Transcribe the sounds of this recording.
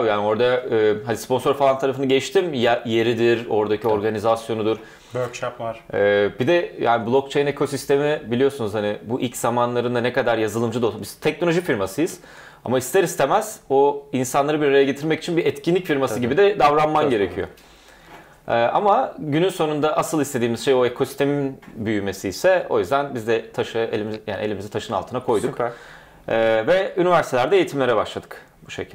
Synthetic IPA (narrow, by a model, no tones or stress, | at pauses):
jaːnio̞ɾd̪aɛɦanispo̞nso̞ɾfalˠant̪ʰaɾafɯnaɟɛʃt̪imjje̞ɾid̪iɾo̞ɾd̪acio̞ɾɡanizasjo̞nud̪uɾ̥ | økʃapaɾɛːbid̪ɛja̰ːniblˠok̚t͡ʃʰejnekʰo̞sist̪ʰe̞mibilʲijo̞sunuz̥hanɪbuʔilʲcz̥amanlˠaɾɯnd̪anɛkad̪aɾjazɯlˠɯmd͡ʒɯd̪obizt̪ʰɛc̚no̞lʲoʒifiɾmasɯjɯz̥ | a̰maist̪ʰeɾist̪ʰe̞mæz̥oinsanlˠaɾɯbiɾaɾajaɟe̞t̪ʰiɾmɛcit͡ʃʰinbiɛt̪cinlʲicfiɾmasɯɟibid̪ɛd̪avɾanmanɟe̞ɾecʰijo̰ | ɛːʔa̰maɟynynso̞nund̪aʔasɯlˠist̪ʰe̞d̪iːmiz̥ʃe̞joekʰo̞si̥t̪ʰeminbyjyme̞siːsɛo̞̰jyzd̪ænbizd̪ɛt̪ʰaʃɯelʲimzjaːnielʲimizɛt̪ʰaʃɯnalˠt̪ʰɯnakʰo̞jd̪ukː | vɛynivæɾsit̪ʰeæɾd̪ɛejit̪ʰimlʲe̞ɾɛbaʃlˠad̪ɯ̥k | buʃḛcʰil